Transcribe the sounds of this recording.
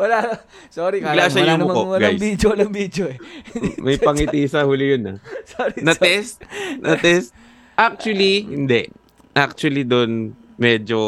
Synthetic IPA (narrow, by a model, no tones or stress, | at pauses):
wɐla | soːɾikalaʃajʊmmɐkowɐlɡajbid̪jowlɐŋbid̪joʔɛmɐjpɐŋɪt̪iːsɐhuːlɪjʊnɐsoɾinɐtɛst̪nʔɐt̪ɛst̪̚ | ʔak̚t͡ʃʊɐlihɪnd̪ɛʔ | ʔak̚t͡ʃʊɐlid̪on | mɛːd͡ʒo